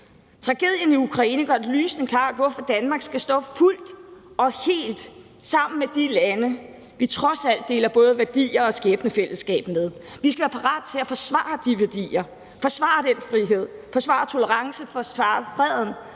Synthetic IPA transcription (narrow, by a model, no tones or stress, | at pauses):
t͡sʰʁɑ̈ɡ̥e̝ðˠjəniukʰʁɑ̈ḭːnəɡ̥ɶɐd̥ly̰ːsnkʰlɑ̰̈ːd̥ʋɒfɒ̽d̥ænmɑ̈ːɡ̥sɡ̥æsd̥ɔ̰̽ːful̰d̥ɒ̽he̝̰ːld̥ | sɑ̈m̰n̩med̥ilænə | ʋit͡sʰʁɒ̽sæl̰d̥̚e̝ːlɐb̥ɔ̽ːð̞ˠəʋæɐd̥ḭːɐɒ̽sɡ̥eːb̥nəfel̰əsɡ̥ɛ̰ːb̥með̞ˠ | ʋisɡ̥æʋæːɐpʰɑ̈ʁɑ̰̈ːd̥ˠt͡sʰe̝læfɒ̽sʋɑ̰̈ːd̥iʋæɐd̥ḭːɐ | fɒ̽sʋɑ̰̈d̥enfʁiɦe̝ð̞̰ˠfɒ̽sʋɑ̈t͡sʰo̝ləʁɑ̈ŋsəfɒɑ̈ːfʁɛð̰ˠn̩